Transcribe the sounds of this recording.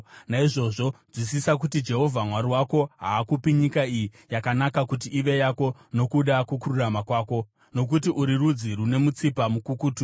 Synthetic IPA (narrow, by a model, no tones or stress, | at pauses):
naiʐo̞ʐo̞ʐwis̬isak̬utid͡ʒe̞ɦo̞vʱamwaɾiwako̞ɦaːkupiɲikaiji | jakanakakutiʔiʋe̞jako̞no̞kuɗakukuɾuramakwaːko̞ | no̞k̬utiʔuɾirud͡zirune̞mut͡sipamukukuːtu